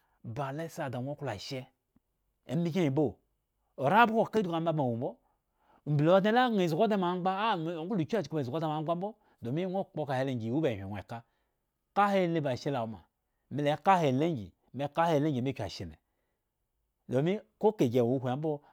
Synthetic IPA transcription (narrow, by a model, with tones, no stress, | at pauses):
ba˨le˦sa˨da˨ŋʷ˦o˦ku˦la˨ʃɛ˦ | ḛ˨˦mi˦ke˦i˨bo˦˨ | o˨ɾa˦bu˦ko˦˨ka˦du˨ka˨˦ba˦ma˨wu˨˦bo˦˨ | m̩˨bi˨lo˨a˦t̬e˦la˦ŋʷe˨zɡo˦de˦ma˨˦ŋ͡mɡ͡ba˦˨˦u˦lu˨ki˦a˦˨d͡ʒi˨ku˦m˨zɡo˦da˦ma˨˦ɡ͡ba˦m̩˦bo˦ | do˨mi˦ŋʷ˦o˦k͡po˦˧ka˨he˨˦le˨ŋɡi˨wu˦be˨hʷi˨e˨ka˦ | ka˦he˦˨le˦ba˨ʃe˦la˨o˨ma̰˨ | mi˨le˨˦ka˦he˨le˦ŋɡḭ˨ | me˨˦ka˦he˦˨le˦ɡi˨me˦kʲa̰˨ʃi˨nɛ̰˨ | do˨mi˦ko˦ke˨ɡe˨u˦hʷu˨a˨˦bo˦